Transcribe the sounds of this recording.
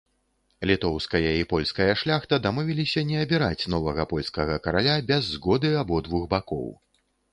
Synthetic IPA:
lʲit̪ɔwskɐjɐipɔlʲskɐjɐʂlʲaxt̪ɐd̪amɔvʲilʲisʲɐnʲɛɐbʲiɾat͡sʲnɔvɐɣɐpɔlʲskɐɣɐkɐɾalʲabʲɛzːɣɔd̪ɨabɔd̪vuxbakɔ̰w

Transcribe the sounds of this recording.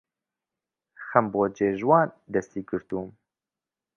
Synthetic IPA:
xɐmboːd͡ʒeːʒwɑːnd̪ɛst̪iːɡɨɾt̪uːm

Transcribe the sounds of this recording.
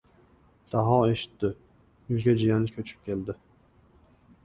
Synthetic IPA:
d̪̥aɦɑeʃi̥t̪ːɪ | ylkʲʰɛd͡ʒijanɪkʲʰøt͡ʃʰy̥p̚kʲʰeld̪ɪ

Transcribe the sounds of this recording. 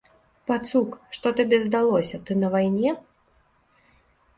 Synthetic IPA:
pat̪sukʂt̪ɔt̪abʲɛzd̪alˠɔsʲɐt̪ɨnɐvajnʲɛ

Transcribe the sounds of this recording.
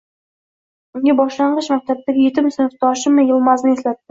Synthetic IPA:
ʊŋɡʲabɒʃlaɴɢɨʃmak̚ʲt̪ʰab̚t̪aɡʲɪjet̪ɪmsɪnɪft̪ʰɒʃɪmɪjɪlˠmaznɪe̞slat̪ːɪ

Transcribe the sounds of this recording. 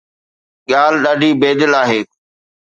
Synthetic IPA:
ɠaːlɗaːɖʱiːbeːd̪ɪlaːɦeː

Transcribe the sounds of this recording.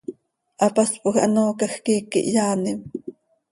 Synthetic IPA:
ʔɑpɑspʼʊxʔɑ̰noːkɑxkiːkḭʔjɑːnɪm

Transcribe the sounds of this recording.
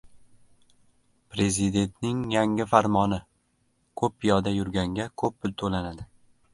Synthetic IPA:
pɾe̞zɪd̪e̞nt̪nɪŋjaŋʲɪfaɾmɒnɪ | kʰɵpːʰɪjɒd̪ajʊɾɡʲaŋɡʲakʰɵp̚ːɪlt̪ʰolanad̪ɪ

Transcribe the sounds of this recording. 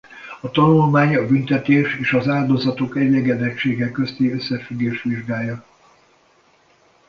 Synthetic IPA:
ɒt̪ɒnulmaːɲɒbynt̪ɛt̪eːʃeːʃɒzaːld̪o̞zɒt̪okɛɟːɛɡɛd̪ɛkʃeːɡɛkːøst̪iøsːɛfyɡːeːʃt̪ʋiʒɡaːjːɒ

